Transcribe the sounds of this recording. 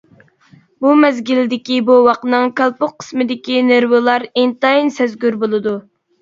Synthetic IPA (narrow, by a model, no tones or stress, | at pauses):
bumɛzɡʲild̪ɪkʲibuwɑqnɨŋkʰʲɑlˠpʊqqʰːə̥smɨd̪ɪkʲineɾwɨlˠɑɾint̪ɑinsɛzɡʲyɾbolˠɨd̪u